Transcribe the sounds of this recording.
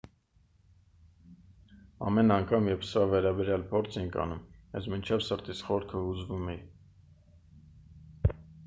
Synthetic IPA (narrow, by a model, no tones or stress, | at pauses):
ɑ̰mɛnɑŋkʰɑmjɛpsəɾɑvɛɾɑbɛɾjɑlpʰɔɾt͡sʰɛjŋkʰɑ̰numɛ̰zmint͡ʃʰɛvsəɾt̪ʰit͡sχɔɾkʰəud͡zvumɛji